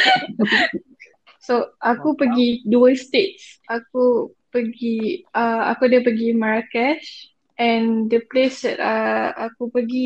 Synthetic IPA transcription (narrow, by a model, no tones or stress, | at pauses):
soʔakupəɡiduəst̪et̚sʔaku | pəɡiəa̰kudəpəɡimaɹakɛʃ | ʔɛ̃ndəplesdɛtaakupəɡi